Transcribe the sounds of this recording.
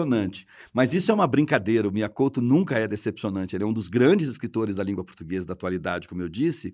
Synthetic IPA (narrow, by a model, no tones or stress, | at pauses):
onɐ̃t͡ʃɪ̥mɐzisʊɛũmɐbɾĩŋkad̪ejɾɐʊmɪakowt̪ʊnũŋkɐɛd̪esepsionɐ̃t͡ʃɪelɪɛũd̪ʊzɡɾɐ̃d͡ʒɪzɪskɾit̪oɾɪzd̪ɐlĩŋɡwɐpoɾt̪uɡezɐd̪ɐaːt̪ualid̪ad͡ʒɪkõmʊewd͡ʒisɪ